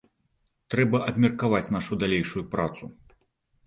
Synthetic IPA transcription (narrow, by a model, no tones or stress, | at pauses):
t̪ɾɛbɐʔɐbʲmʲɛrkavat͡sʲn̪aʂud̪alʲejʂujupɾat̪su